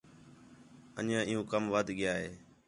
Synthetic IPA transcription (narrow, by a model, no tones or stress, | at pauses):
ə̰ɲãːɪjũːkəmʋəd̪ʱɠɪjaːɦeː